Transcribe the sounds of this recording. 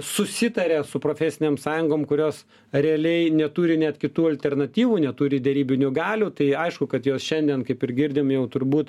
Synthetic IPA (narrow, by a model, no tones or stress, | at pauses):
sʊsʲɪt̪ɐɾʲɛsʊpɾoːfʲɛsʲɪnʲeːmsɑːjʊŋɡoːmkʊɾʲoːs | rʲɛɐlʲɛɪnʲɛt̪uːɾʲɪnʲɛt̪kʲɪt̪uːɐlʲt̪ʲɛrnɐt̪ʲiːʋuːnʲɛt̪uːɾʲɪd̪ʲɛɾʲiːbʲɪnʲuɡɑːlʲuːt̪ɐɪɐɪʃkʊkɐt̪joːsʃʲɛnʲd̪ʲiɛnkɐɪpɪɾɡʲɪɾʲd̪ʲɪmjɛʊt̪ʊɾbuːt̪